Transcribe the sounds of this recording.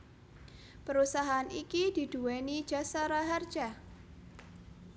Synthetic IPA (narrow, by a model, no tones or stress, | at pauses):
pəɾusaɦaanikid̥i̤d̥ṳwɛni̥d͡ʒ̥asaɾaɦard̥d͡ʒ̥a